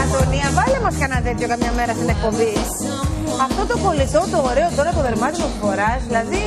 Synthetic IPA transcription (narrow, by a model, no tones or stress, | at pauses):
ɐt̪oniɐvɐlemɐskɐnɐt̪et̪ço̞kɐmɲɐme̞ɾɐst̪inek̚po̞bi | ɐft̪o̞t̪opo̞lit̪o̞t̪oːɾe̞o̞t̪o̞ɾɐt̪oðe̞ɾmɐt̪iot̪osfo̞ɾɐzðilɐði